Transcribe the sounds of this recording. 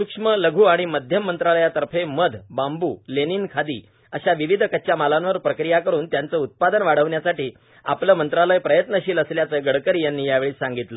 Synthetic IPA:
sukʂmələɡʱuːaɽ̃iməd̪ʱjəmːənt̪ɾaləjat̪əɾfeməd̪ʱbambuːleniːnkʰad̪ḭː | əɕaʋiʋid̪ʱkətːɕjamalãnʋəɾpɾəkɾijakəɾuːnt̪jant͡səːut̪̚pad̪ənʋaɽ̤əʋɳjasaʈiː | a̰pləːmənt̪ɾaləjpɾəjət̪nəɕiːləsljat͡səːɡəɽkəɾiːjanːiːjaʋeɭiːsãŋɡit̪ləː

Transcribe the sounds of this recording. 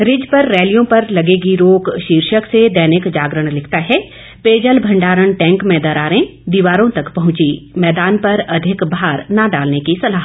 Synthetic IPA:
ɾɪd͡ʒpɐɾːɛːlijõpɐɾlɐɡeːɡiɾoːkʃiːɾʃəksed̪ɛːnɪkd͡ʒaːɡɾəɽ̃lɪkʰt̪aɦɛ | peːd͡ʒəlbʱɐ̃ɳɖaːɾəɽ̃ʈɛ̃ːŋkmẽːd̪əɾaːɾẽd̪iʋaːɾõt̪ɐkpɐɦʊ̃t͡ʃimɛːd̪aːnpɐɾɐd̪ʱɪkbaːɾnaɖaːlnekisɐlaːɦə

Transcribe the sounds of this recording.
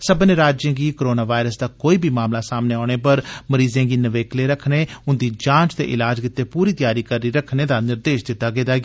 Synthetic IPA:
səbneːɾaːd͡ʒjãːɡiːkːɾoːnaːʋaːɪɾəsd̪aːkoːiːbʱiːmaːmlaːsaːmneːaːɽ̃eːpəɾməɾiːzãːɡiːnəʋeːkleːɾəkʰneːʊnd̪iːd͡ʒãːt͡ʃt̪ḛːʔɪlaːd͡ʒkɪt̪ːeːpuːɾiːt̪ɪjaːɾiːkəɾːiːɾəkʰneːd̪aːnɪɾd̪eːʃd̪ɪt̪ːaːɡeːd̪aːɡ

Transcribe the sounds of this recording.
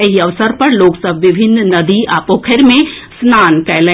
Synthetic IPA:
eɦiɐʋsəɾpɐɾloːksəbʱʋɪbʱɪnːnɐd̪iaːpoːkʰeɾmẽsnaːnkɛːlẽ

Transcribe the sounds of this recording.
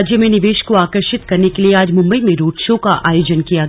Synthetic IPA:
d͡ʒjəmẽnɪʋeːʃkoaːkəɾʃɪt̪kɐɾnekelieaːd͡ʒmʊ̃mbəimẽɾoːʈʃõkaʔaːjoːd͡ʒənkijaɡ

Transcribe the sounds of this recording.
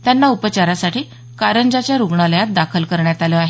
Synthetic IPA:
t̪janːaupət͡ɕaɾasaʈiː | kaɾənd͡ʑat͡ɕjaɾuɡɳaləjat̪̚d̪akʰəlkəɾɳjat̪aləaɦe

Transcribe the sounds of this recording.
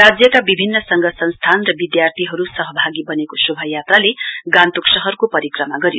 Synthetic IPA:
ad͡zjʌkabibʱinːʌsʌŋɡʌsʌnst̪ʰanrʌbid̪jart̪ʰiɦʌɾusʌɦʌbʱaɡibʌnekosubʱʌjat̪raleɡant̪uksʌɦʌrkopʌɾikrʌmaɡʌɾio

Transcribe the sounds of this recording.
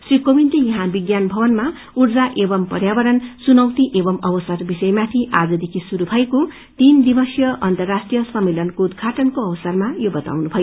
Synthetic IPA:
srikobint̪ejʌɦãbiɡjanbʱʌbʌnma | urd͡zaʔebʌmpʌrjabʌɾʌnsunʌwt̪iʔebʌmʌbʌsʌrbisʌjmat̪ʰiʔad͡zʌd̪ikʰisuɾubʱʌeko | t̪ind̪ibʌsjʌʔʌnt̪ʌrːasʈrijʌsʌmːelʌnkoud̪̚ɡʱaʈʌnkoʌbʌsʌrmajobʌt̪a̰wnubʱʌjo

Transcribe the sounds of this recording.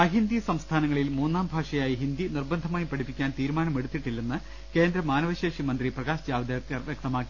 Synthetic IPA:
ɐɦind̪isɐmst̪ʰaːnɐŋːɐɭilmuːnːaːmbʱaːʂɐjaːjiɦind̪inirbɐnd̪ʱɐmaːjpɐʈʰipːikʲːaːnt̪iːɾumaːnɐme̞ɽut̪ːiʈːilːenːɨ | ke̞ːnd̪ɾɐmaːnɐʋɐɕeːʂimɐnd̪riprɐɡaːɕd͡ʑaːʋɐd̪ɐɐrʋjek̚t̪ɐmaːkːi̥

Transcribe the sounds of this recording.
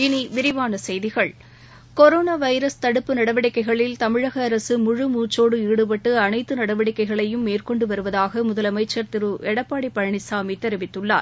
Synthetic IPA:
ɪniʋɪɾɪʋaːnɐsɛjðɪɣɐɭ | kɔɾoːnaːʋɐɪɾɐst̪ɐɽɯpːɯnɐɽɐʋɐɽɪkːɐɪɣɐɭɪlt̪ɐmɪɻɐɣɐːɾɐsɯmʊɻɯmuːt͡ʃːoːɽɯiːɽɯpɐʈːɯɐnɐɪt̪ːɯnɐɽɐʋɪɽɪkːɐɪɣɐɭɐjɯmːeːrkɔɳɖɯʋɐɾɯʋɐðaːɣɐmʊðɐlɐmɐɪt͡ʃːɐɾt̪ɪɾɯʔɛɽɐpːaːɽipːɐɻɐɳɪsaːmit̪ɛɾɪʋɪt̪ːɯɭːa̰ːɾ

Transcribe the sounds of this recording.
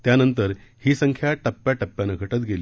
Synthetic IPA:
t̪janənt̪əɾhiːsəŋkʰjaʈəpːjaʈəpːjanəɡʱəʈət̪ɡeliː

